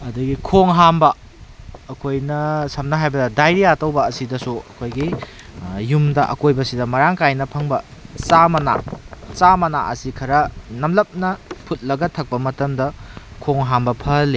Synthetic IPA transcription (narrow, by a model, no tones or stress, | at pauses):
ɐduɡikʰoŋɦambɐː | kʰojnɐsɐmnɐɦajbɐdɐdajɾiatɐwbɐːsidɐsuɐ̰kʰojɡi | jumdɐʔɐ̰kojbɐsidɐmɐɾaŋkajnɐpʰɐŋbɐsamɐna̰samɐna̰ʔɐsikʰɐɾɐnɐmlɐp̚nɐpʰut̚lɐɡɐtʰɐk̚pɐmɐtɐmdɐkʰoŋɦambɐpʰɐli